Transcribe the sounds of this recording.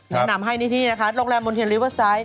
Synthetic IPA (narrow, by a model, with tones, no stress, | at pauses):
nɛ˦˩na˨˩˦mɦa˥˩jniː˦˥˩t̪ʰiː˥˩na˦˥kʰa˦˥ɾoː˧˥˩k̚lɛː˧mːo˧nt̪ʰi˧nli˦˥wə˥˩saː˦˥j